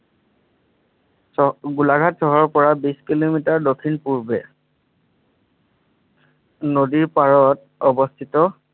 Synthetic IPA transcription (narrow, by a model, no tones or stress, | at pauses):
ɡulaɡʱatsɔɦɔɹpɔɹabiskilomitaɹdokʰinpuɹbɛ | nodiɹpaɹɔt | ɔbɔstʰitɔ